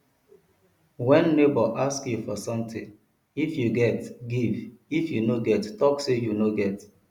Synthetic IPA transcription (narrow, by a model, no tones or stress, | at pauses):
wɛ̃nːebɔʔaskjufɔsɔ̃mtĩŋ | ifjuɡɛtɡivifjunoɡɛttɔksejunoɡɛt